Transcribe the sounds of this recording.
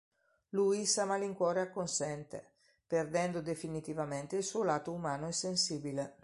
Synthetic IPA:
luːisamaliŋkwɔːɾeakːonsɛnt̪ḛ | perd̪ɛnd̪od̪efinit̪ivamɛnt̪eilsulaːt̪oumaːnoɛsːensiːbile

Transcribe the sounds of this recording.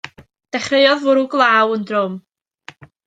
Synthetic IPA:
d̥ɛχreɨɔðvʊɾuɡlˠaːwəndrʊm

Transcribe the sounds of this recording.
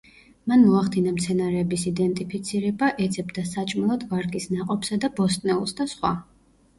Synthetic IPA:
manmɔaχd̪inamt̪sʰɛnaɾɛːbisid̪ɛnt̪ʼipʰit̪sʰiɾɛbaʔɛd̪zɛbd̪asat͡ʃʼmɛlˠɔd̪vaɾkʼisnaqʼɔpsad̪abɔst̪ʼnɛulˠsd̪asχwa̰

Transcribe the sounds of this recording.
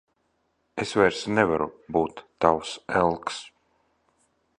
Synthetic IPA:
esvɛjɾsnɛvaɾṵbuːt̪ːawsɛlˠks

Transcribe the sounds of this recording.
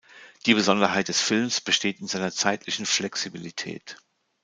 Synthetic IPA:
d̥iːbəzɔndɐɦaɪt̚d̥ɛsfɪlmsb̥əʃteːtɪnzaɪnɐt͡saɪtʰlɪçn̩flɛksibilitʰɛ̰ːt

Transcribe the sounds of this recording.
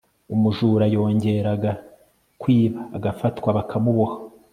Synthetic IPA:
umuʒuːɾajo̞ːɲɟe̞ɾaɡa | kwiːβaːɡafatkwaβakʰamuβoha

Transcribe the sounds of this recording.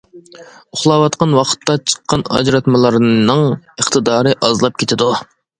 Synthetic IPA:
ʊχlˠɑwɑt̪qɑnwɑqʰə̥t̪ʰːɑt͡ʃʰə̥qːɑnɑ̰d͡ʒɾɑt̪mɨlˠɑɾnɨŋəχt̪ʰɨd̪ɑːɾɨʔɑzlˠɑp̚kʲʰet̪ʰɪd̪u

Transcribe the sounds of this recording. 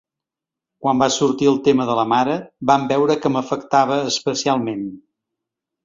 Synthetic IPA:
kwambasuɾt̪iəlˠt̪eməðələmaɾəbambɛwɾəkəməfəkt̪aβ̞əːspəsialˠmen

